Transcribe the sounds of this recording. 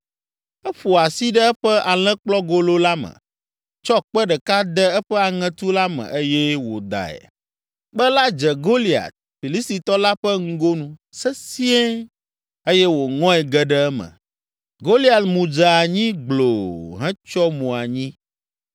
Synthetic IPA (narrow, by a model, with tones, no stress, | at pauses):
ɛ˦ɸo˨a˨si˦ɖɛ˦ɛ˦ɸɛ˦ʔa˨lɛ̃˦k͡plɔ˦ɡo˦lo˦la˦mə̰̃˨ | t͡ʃɔ˦k͡pɛ˦ɖɛ˨ka˦d̪ɛ˦ɛ˦ɸɛ˦a˨ŋɛ̃˦t̪u˦la˦mɛ̰̃˨ʔə˦jɛ˦wo˨d̪a̰˨ɛ̰˨ | bɛ˦la˦d͡ʒɛ˨ɡo˦li˨a̰˨t̪̚ | fi˨li˦st̪i˨t̪ɔ˦la˦ɸɛ˦ŋ̩˦ɡo˦nũ˦sɛ˦si˦ɛ˦ | e˦jɛ˦wo˨ŋɔ̃˦ɛ˨ɡɛ˨ɖɛ˦ɛ˦mə̰̃˨ | ɡo˦li˦a˨lmũ˨d͡ʒa˨a˨ɲĩ˦ɡ͡blo̰˨ɦɛ̃˦t͡ʃɔ˦mũ˨a˨ɲĩ˦